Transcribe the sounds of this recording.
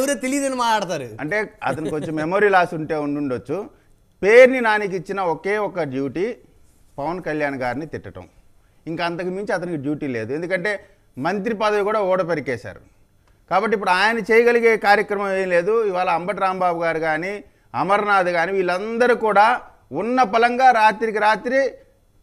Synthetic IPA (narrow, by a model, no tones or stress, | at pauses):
ʋɐɾeːt̪elijd̪ɐnimaːʈaːɽɐt̪aːɾuɐ̰ɳʈe̞ːɐ̰t̪ɐniko̞ɲt͡ʃemːemo̞ːɾiːlaːsuɳʈe̞ːuɳɖuɳɖot͡ʃːu | pe̞ːɾninaːnik̬it͡ʃːinɐɔkeːɔkːɐɖjuːʈi | pɐʋɐnkɐljaːnɐɡaːɾinit̪iʈːɐʈɐ̰̃m | iŋkɐɐnt̪ɐkimiɲt͡ʃiɐt̪̬ɐnikiɖjuːʈiːle̞ːd̪uend̪ukɐɳʈe̞ː | mɐnt̪̬ɾipɐd̪ɐʋikuːɽaːɔːɽɐpeɾikɛːʃa̰ːɾu | kaːbɐʈːip̬ːuɽuaːjɐnɐt͡ʃeːjɐɡɐliɡeːkaːɾjɐkɾɐmɐmeːnile̞ːd̪uiʋaːlɐɐmbɐʈ̬iɾaːmbaːbuɡaːɾuɡaːni | ɐmɐɾnaːd̪uɡaːniːʋiːlːɐnd̪ɐɾukuːɽaː | unːɐpɐlɐŋɡaːɾaːt̪ɾik̬iɾaːt̪ɾi